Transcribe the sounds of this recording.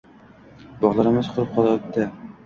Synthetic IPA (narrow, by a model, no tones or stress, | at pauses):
bɒʁlˠɑɾɪmɪzqʰʊɾɪp̚qʰɒlˠɑp̚t̪ːɪ